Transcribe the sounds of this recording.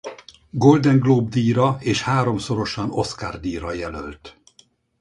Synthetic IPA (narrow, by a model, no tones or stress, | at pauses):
ɡo̞ld̪ɛŋɡloːbd̪iːɾɒeːʃhaːɾo̞mso̞ɾo̞ʃɒno̞skaːrd̪iːɾɒjɛlø̰lt̪